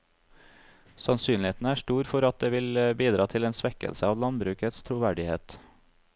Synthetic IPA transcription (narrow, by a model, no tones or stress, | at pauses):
sɑnsyːnlɪeːt̪n̩əæːʂʈuːɾfɔɾɑt̪̚d̪eːʋɪlbiːd̪ɾɑːt̪ʰɪleːnsʋɛkə̰lsəɑːʋlɑnbɾʉːkət̪st̪ʰɾuːʋæɖɪheːt̪